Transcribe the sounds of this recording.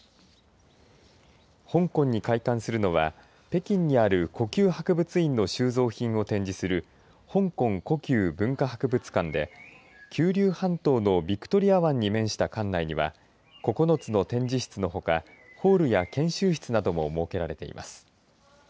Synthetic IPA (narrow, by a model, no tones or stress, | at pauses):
hõ̞ŋkõ̞ɲ̟ːikaikãɰ̃sɨɾɯ̟no̞βa̰ | pe̞kʲĩɲ̟ːiaɾɯ̟ko̞kʲɨːhakɯ̟bɯ̟t͡sɨĩnːo̞ɕɨːzo̞ːçĩɰ̃o̞t̪ẽ̞ɲ̟d͡ʑisɨɾɯ̟ | hõ̞ŋkõ̞ŋko̞kʲɨːbɯ̟̃ŋkahakɯ̟bɯ̟t͡sɨ̥kãnd̪e̞̰ | kʲʰɨːɾʲɨːhãnt̪o̞ːno̞bʲikɯ̟̥t̪o̞ɾʲiaβãɲ̟ːimẽ̞ɰ̃ɕi̥t̪akãnːaiɲ̟iβa̰ | ko̞ko̞no̞t͡sɨno̞t̪ẽ̞ɲ̟d͡ʑiɕi̥t͡sɨno̞ɦo̞kaho̞ːɾɯ̟jakẽ̞ɰ̃ɕɨːɕi̥t͡sɨnad̪o̞mo̞mo̞ːke̞ɾaɾe̞t̪e̞̰ḭmʔa̰sɨ̥